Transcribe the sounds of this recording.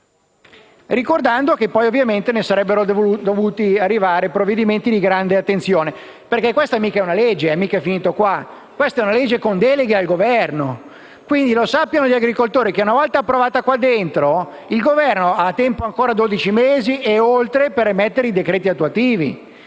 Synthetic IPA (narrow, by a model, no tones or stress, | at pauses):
rikord̪and̪okepːɔjovːjament̪enesaɾɛbːeɾod̪ovuːt̪iarːivaːɾepɾovːed̪iment̪id̪iɡɾand̪eat̪ːent̪sjoːne | perkekːwest̪amiːkaɛunaled͡ʒːeɛmiːkɛfiniːt̪okwa | kwest̪aɛunaled͡ʒːekond̪ɛleɡealɡovɛrno | kwind̪ilosapːjanoʎiaɡɾikolt̪oːɾik̟eunavɔlt̪aːpːɾovaːt̪akwad̪ːent̪ɾo | ilɡovɛrnoat̪ːɛmpoaŋkoːɾad̪od̪it͡ʃimeːzieolt̪ɾepeɾemɛt̪ːeɾeid̪ekɾeːt̪iat̪ːuat̪iːvḭ